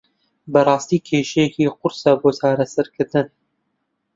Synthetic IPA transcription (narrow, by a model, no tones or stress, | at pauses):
bɐrˤɑːst̪iːkʰeːʃɛjɛkiːqʊɾsɑboːt͡ʃaːɾɐsɐɾkʰɨɾd̪ɨn